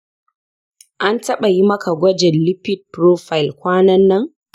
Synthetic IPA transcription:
ʔa˦ntɐ˦ɓa˨ji˦mɐ˦ka˨ɡʷɐ˦d͡ʒɛ˨nlɪ˦pɪ˦d̚pɾoː˦ɸa˨jɪ˨lkʷaː˦nɐ˦nːɐ˦ŋ

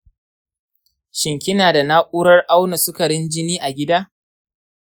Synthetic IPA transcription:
ʃɪ˨ŋkʲɪ˦naː˨da˨naː˦ʔʷʼuː˦ɾɐ˦rʔa˦wna˨sʊ˦kɐ˨ɽɪ˦nd͡ʒɪ˦niː˦ʔa˨ɡʲɪ˦daː˦

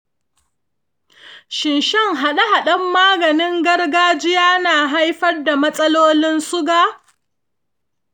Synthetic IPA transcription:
ʃɪ˨nʃɛ˦ŋɦa˨ɗa˦ɦa˨ɗɐ˦mːaː˦ɡɐ˨nɪ˦ŋɡɐ˦rɡaː˦d͡ʒɪ˦jaː˦naː˨ɦa˦jɸɐ˦rda˨mɐ˦sʼɐ˦loː˦lɪ˦nsʊ˦ɡaː˦

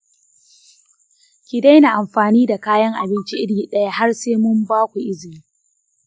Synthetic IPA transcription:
kʲi˨da˦jna˨ʔa˨mɸaː˨niː˦da˨kaː˦jɐ˦ŋʔa˨bɪ˦nt͡ʃi˦ʔɪ˦ɽɡiː˦ɗɐ˦ja˦ha˦rseː˦mʊ˦mbaː˦kʷu˨ʔɪ˦zɪ˨miː˦

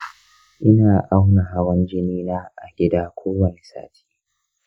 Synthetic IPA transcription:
ʔɪ˦naː˨ʔa˦wna˨ɦa˦wɐ˦nd͡ʒɪ˦niː˦naː˦ʔa̰˨ɡʲɪ˦daː˦kʷʰoː˦wɐ˨ne˨sa̰ː˦tʰi̥ː˦

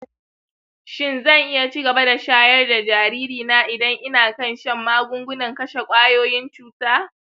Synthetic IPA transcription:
ʃɪ˦nzɐ˦˨ŋʔɪ˦ja˨t͡ʃi˦ɡɐ˨ba˦da˨ʃaː˦jɐ˦rda˨d͡ʒaː˨ɾiː˦ɾiː˨naː˦ʔɪ˨dɐ˦ŋʔɪ˦naː˨kɐ˦˨nʃɐ˦˨mːaː˦ɡʷʊ˦ŋɡʷʊ˦nɐ˨ŋkɐ˦ʃe˨kʷʼaː˦joː˦jɪ˦nt͡ʃuː˦taː˦

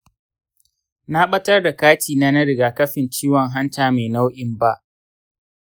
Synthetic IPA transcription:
na˦ɓɐ˦tɐ˦rda˨kaː˦tiː˨na˦nɐ˦ɽɪ˨ɡaː˨kɐ˦ɸɪ˨nt͡ʃiː˦wɔ˨ŋɦa˦ntaː˨meː˨na˦wʔɪ˨mba˦ʔ

